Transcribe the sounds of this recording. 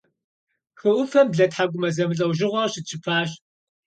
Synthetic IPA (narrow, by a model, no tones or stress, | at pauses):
xɨʔʷʊfɐmbɮɐtħaɡʷʊmɐzɐmɨɬʼɐwʒɪʁʷɐrɕɪt͡ʃʰɪpʰaːɕ